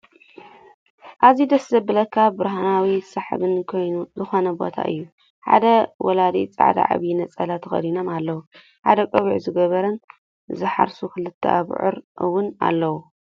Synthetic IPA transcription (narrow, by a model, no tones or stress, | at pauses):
ʔazid̪ɐslɐbɨlɐkʰabɨɾɦanawisaħβɨnkʰo̞jnuzɨxo̞nɐbo̞̰t̪ʰa̰ʔɨ̰jːu | ħa̰d̪ɐwɐlad̪ḭt͡sʼa̰ʕd̪a̰ʕa̰βinɐt͡sʼɐlat̪ʰxɐ̰d̪ino̞malːɐwu | ħa̰d̪ɐkʼɐβiʕzɨɡɐβɐɾɐn | zɨħa̰ɾsukʰɨlɨt̪ʰːɐ̰a̰β̰ʕɨ̰ɾʔɨwʊna̰lːɐwu